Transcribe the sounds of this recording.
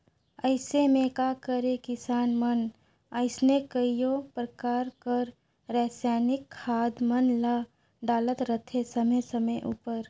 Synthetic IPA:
əɪsemẽkakəɾekɪsaːnmən | əɪsnekəijopɾəkaːɾkəɾ | ɾɛːsjaːnɪkʰːaːd̪mənla | ɖaːlət̪ɾət̪ʰesəməjsəməjʔṵːpəɾ

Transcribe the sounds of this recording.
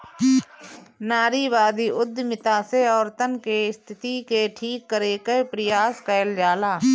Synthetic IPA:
naːɾiːʋaːd̪iːʊd̪ʱːmɪt̪aːseɔːɾt̪ənkeɪst̪ʰɪt̪ikeʈʰiːkːəɾeːkəpɾɪjaːskəəld͡ʒaːlaː

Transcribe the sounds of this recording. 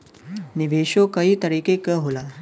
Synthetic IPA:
niʋeɕokəɦiːt̪əɾiːkekəɦola

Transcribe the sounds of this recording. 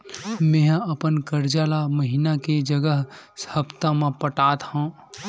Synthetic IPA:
mẽːɦəpənkəɾd͡ʒaːlaməɦinaked͡ʒəɡəɦsəbt̪ãmẽpəʈaːt̪hã

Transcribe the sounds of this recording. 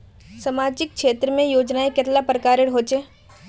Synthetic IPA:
sɐmaːd͡ʒɪk̚kʃeːt̪ɾəmẽjoːd͡ʒnaeket̪lapɾəkaːɾɪɽɦoːt͡ʃeː

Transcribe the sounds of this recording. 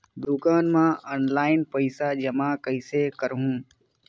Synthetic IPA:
d̪ukaːnmãːʔəːnlaːɪnpəɪsaːd͡ʒəmãːkəɪsekəɾɦũː

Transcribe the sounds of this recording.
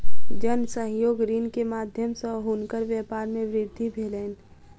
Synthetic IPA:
d͡ʒənsə̃ɦjoːɡɾinkemaːd̪ʱjəmsə̃ɦunkəɾʋjɛpaːɾmẽʋɾɪd̪ʱːibʱeːleːn

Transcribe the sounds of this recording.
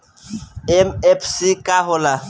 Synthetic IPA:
ɛmɛpʰsikaɦʊla

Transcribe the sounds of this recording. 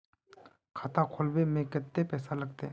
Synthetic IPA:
kʰaːt̪akʰolbemẽkət̪ːepɛːsalɐɡ̚t̪e

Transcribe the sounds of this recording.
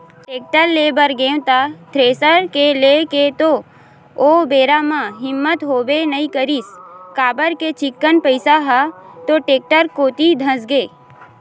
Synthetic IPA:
ʈeːk̚ʈəɾleːbəɾɡẽːwt̪at̪ʰɾeːsəɾkeleket̪o | oːbeːɾamãɦɪmːət̪ɦoːbenəĩkəɾiskaːbəɾket͡ʃɪkːənpəɪsaɦat̪oʈeːk̚ʈəɾkoːt̪id̪ʱə̃sɡeː

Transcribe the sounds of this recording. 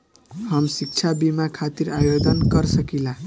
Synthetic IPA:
həmsik̚t͡ʃʰabimakʰat̪iɾajod̪ənkəɾsəkila

